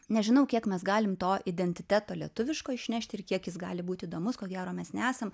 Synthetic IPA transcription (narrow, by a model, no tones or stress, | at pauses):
nʲɛʒʲɪnɐʊkʲiɛkmʲɛsɡɑːlʲɪmt̪oːʔɪd̪ʲɛnʲt̪ʲɪt̪ʲæːt̪oːlʲiɛt̪ʊʋʲɪʃkoːɪʃʲnʲæːʃʲtʲɪɾkʲiɛkjɪsɡɑːlʲɪbuːt̪ʲiːd̪oːmʊskoːɡʲæːɾoːmʲɛsnʲɛæːsɐm